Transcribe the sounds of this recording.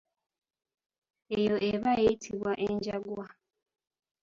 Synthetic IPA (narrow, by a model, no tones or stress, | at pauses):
ejoʔeβajeitʰiβwaʔeɲɟaɡwa